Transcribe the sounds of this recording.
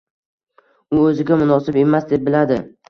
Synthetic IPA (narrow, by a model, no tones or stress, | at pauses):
ʊɵzɪɡʲamʊnɒsɪbe̞masd̪e̞p̚bɪlad̪ɪ